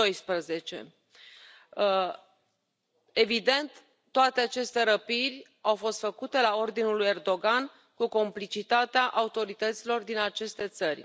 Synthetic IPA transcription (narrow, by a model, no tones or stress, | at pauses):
o̞jspɾəze̞t͡ʃe̞̰ | e̞vid̪e̞nt̪ː | oat̪eat͡ʃe̞st̪e̞ɾəpirʲ | awfo̞st̪fəkut̪e̞lao̞rd̪inuluje̞rd̪o̞ɡan | kuko̞mplit͡ʃit̪at̪eaʔaut̪o̞ɾit̪ət̪silo̞rd̪inat͡ʃe̞st̪e̞t̪sərʲ